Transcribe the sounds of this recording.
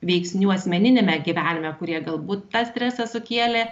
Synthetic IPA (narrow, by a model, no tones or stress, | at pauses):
ʋʲɛɪksʲnʲuːɐsʲmʲɛnʲɪnʲemʲɛɡʲiʋʲæːnʲɪmʲɛkʊɾʲiɛɡɐlˠbuːt̪ːɐsʲt̪ʲɾʲæːsɐsʊkʲiɛlʲe